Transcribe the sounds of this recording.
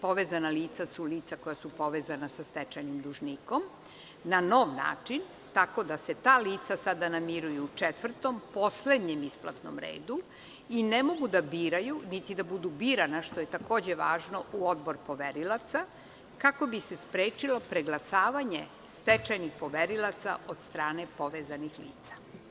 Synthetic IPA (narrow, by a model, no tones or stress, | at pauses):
po̞ʋezanaliːt̪sasuliːt̪sako̞jasupo̞ʋeːzanasast̪et͡ʃajnimd̪uʒniːko̞m | nano̞ːʋna̰ːt͡ʂin | t̪ako̞d̪aset̪aːliːt̪sasad̪anamiɾujuːt͡ʂet̪ʋr̩t̪o̞mpo̞sle̞d̪ɲemispla̰t̪no̰mɾḛːd̪u | inemo̞ɡud̪abiːɾajunit̪id̪abud̪ubiːɾanaʃt̪o̞jet̪ako̞ːd͡ʑeʋaːʒno̞ʔuo̞d̪bo̞ɾpo̞ʋeɾilˠat̪sa | kako̞bisespɾeːt͡ʃilo̞pɾeɡlasaːʋaɲḛ | st̪et͡ʃajnixpo̞ʋeɾilˠat̪sa̰od̪st̪ɾaːne̞po̞ʋeːzanixlḭːt̪sḁ